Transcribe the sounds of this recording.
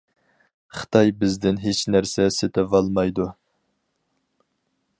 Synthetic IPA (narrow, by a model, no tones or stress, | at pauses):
χɨ̥t̪ʰɑjbɪzd̪ɪnɦet͡ʃnæɾsɛset̪ʰɪvɑlˠmɑjd̪u